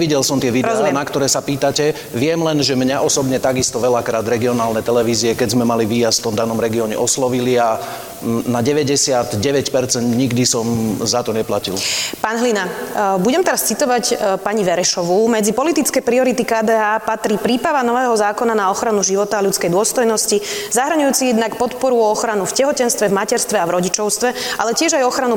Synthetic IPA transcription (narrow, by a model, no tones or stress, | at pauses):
ʋiɟɛlsɔmt̪ɪɛʋiɾɔzɛnakt̪ɔɾɛːsapiːt̪acɛ | ʋɪɛmlɛnʒɛmɲaʔɔsɔbɲɛt̪aɡist̪ɔʋɛlakɾaːd̪ɾɛɡiɔnaːlnɛt̪ɛlɛʋiːziɛkɛɟzmɛmaliʋiːjast̪ft̪ɔmd̪anɔmɾɛɡiɔɲɛ̰ʔɔslɔʋilia | naɟɛʋɛɟɛsɪad̪ɟɛʋɛcpɛɾt͡sɛnd̪ɲiɡd̪isɔmzat̪ɔɲɛplacḭlpaːnɦlinabuɟɛmt̪ɛɾast͡sit̪ɔʋacpaɲiʋɛɾɛʃɔʋumɛd͡zipɔlit̪it͡skɛjpɾiɔɾit̪ikaːd̪ɛːaːpat̪ɾiːpɾiːpɾaʋanɔʋɛːɦɔzaːkɔnanaɔxɾanuʒiʋɔt̪aːʎut͡skɛjd̪ʊɔst̪ɔjnɔscizaɦɾ̩ɲujuːt͡sijɛd̪nakpɔt̪pɔɾuɔɔxɾanufcɛɦɔcɛnst̪ʋɛvmacɛɾst̪ʋɛavɾɔɟit͡ʃɔʊst̪ʋɛʔalɛcɪɛʒajɔxɾanu